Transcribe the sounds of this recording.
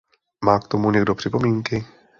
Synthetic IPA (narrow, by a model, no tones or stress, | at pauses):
maːkt̪o̞muɲɛɡ̚do̞pr̝̥ɪpo̞miːŋkɪ